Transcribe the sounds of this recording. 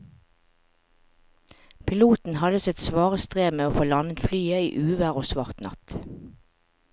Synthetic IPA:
pʰɪluːt̪n̩hɑd̪əsɛt̪sʋɑːʁəst̪ʁeːmeːoːfoːlɑnət̪flyːəḭːʔʉːʋæʁoːsʋɑʁt̪nɑ̰t̪

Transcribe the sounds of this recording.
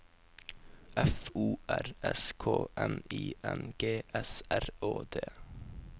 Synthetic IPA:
ʔɛfuːʔæɾɛskʰoːʔɛniːʔɛnɡ̥eːʔɛsæɾoːd̪eː

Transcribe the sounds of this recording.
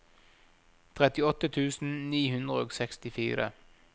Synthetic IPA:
t̪ʰʁɛt̪ɪɔt̪ːət̪ʰʉːsn̩niːhʉnd̪ʁəoːɡsɛkst̪ɪfiːɾə̰

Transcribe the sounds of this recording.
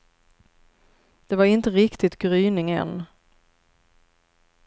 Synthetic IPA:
d̪̥ɛvaɾɪnt̪əɾɪkt̪ɪt̪ɡɾyːnɪŋɛ̰n

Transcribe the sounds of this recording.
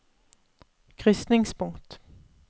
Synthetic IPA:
kʰʁʏst̪nɪŋspʰʊŋt̪

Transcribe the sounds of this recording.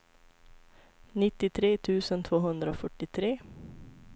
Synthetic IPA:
nɪt̪ːɪt̪ʰɾeːt̪ʰʉ̟ːsənt̪ʰvoːɦɵnd̪ɾəoːfœʈːɪt̪ʰɾeː

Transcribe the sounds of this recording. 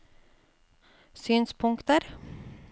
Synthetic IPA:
syːnspʰɵŋkt̪əɾ

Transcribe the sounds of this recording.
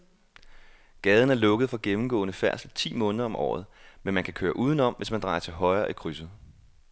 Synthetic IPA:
ɡ̥ɛːð̞ˠn̩æɐlɔ̽ɡ̥əð̩ˠfɒ̽ɡ̥emn̩ɡ̥ɔ̰̽ːnəfæɐ̰slt͡sʰḭːmɔ̽ːnəðˠɐɒ̽mʔɒ̰ːð̞̩ˠmenmænkʰækʰøːɐʔuːðˠn̩ɒ̽m̰ʋe̝smænd̥ʁɑ̈ɪɐt͡sʰe̝lɦɒ̽ɪɐːʔikʰʁysð̩ˠ

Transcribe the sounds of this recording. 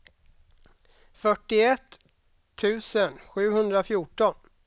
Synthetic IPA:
fœʈːɪɛt̪ʰː | ʉ̟ːsənɧʉ̟ːɦɵnd̪ɾafjʊʈɔn

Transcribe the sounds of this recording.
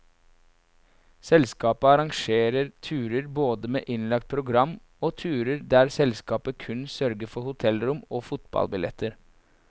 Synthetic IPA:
sɛlskɑːpəɑɾɑŋʃeːɾəɾt̪ʰʉːɾəɾboːd̪əmḛːʔɪnlɑk̚t̪̚pʰɾʊɡɾɑm | oːt̪ʰʉːɾəɾd̪æːɾsɛlskɑːpəkʰʉnsœɾɡəfɔhʊt̪ʰɛlɾʊmoːfʊt̪bɑ̰lbɪlɛ̰t̪ʰəɾ

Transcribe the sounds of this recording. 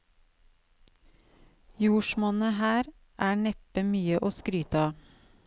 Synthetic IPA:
juːʃmɔnəhæːɾ | ʔæːɳɛpəmyːəʔoːskɾyːt̪ɑ

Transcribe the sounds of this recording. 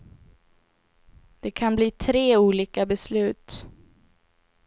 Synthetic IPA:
d̪̥ɛkʰanbliːt̪ʰɾeːuːliːkabɛslʉ̟ːt̪

